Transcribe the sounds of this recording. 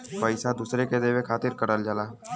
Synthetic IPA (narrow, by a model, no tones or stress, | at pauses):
pəɪsad̪uːsɾeked̪eʋekʰaːt̪ɪɾkəɽəld͡ʒəlaː